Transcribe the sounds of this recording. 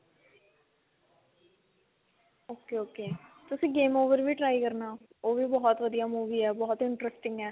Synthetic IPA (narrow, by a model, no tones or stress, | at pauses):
oːkeːoːkeːt̪ʊsĩːɡeːmoːʋəɾʋiːʈɾaːikəɾnaː | oːʋiːbɔɦɔt̪ʋəd̪ijaːmuːʋiːɛːbɔːɔt̪ɪɳʈɾəsʈɪŋɡɛː